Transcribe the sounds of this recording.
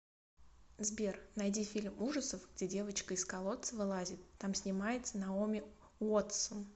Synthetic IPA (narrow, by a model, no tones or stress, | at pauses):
zbʲernɐjdʲifʲilʲmuʐəsəfɡ̥dʲedʲe̞vət͡ɕkəɪskɐlˠo̞t̪səvɨlˠazʲɪt̪ːamsʲnʲɪmajɪt̪sənɐomʲɪ | ot̪sən